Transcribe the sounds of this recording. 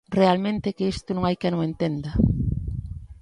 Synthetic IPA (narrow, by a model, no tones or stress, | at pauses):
realmẽnt̪ekeist̪ʊnõŋajkenõŋent̪end̪ɐ